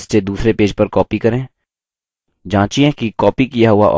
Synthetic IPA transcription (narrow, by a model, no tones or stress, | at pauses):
sted̪uːsɾepeːd͡ʒpɐɾkɔːpikɐɾẽː | d͡ʒãːt͡ʃiɛ̃kikɔːpikijaɦʊaʔɔ̰ː